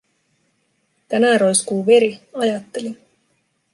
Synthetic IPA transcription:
t̪ænæːɾo̞jskuːʋe̞ɾiɑjɑt̪ːe̞li

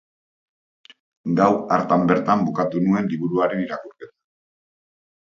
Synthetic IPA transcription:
ɡawaɾt̪ambe̞ɾt̪ambukat̪unue̞nliβuɾuaɾe̞niɾakuɾke̞t̪ḁ

